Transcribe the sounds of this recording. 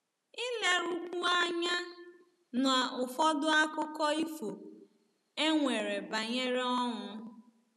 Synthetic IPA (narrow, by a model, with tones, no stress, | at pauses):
ɪ˦le˦ɾu˦kʷu˦a˦ɲa˦ | na˨ʊ˨fɔ˦dʊ˦a˦kʊ˦kɔ˦i˦fo˨ | e˦ŋʷe˨ɾe˨ba˨ɲe˦ɾe˦ɔ˦ŋʊ˦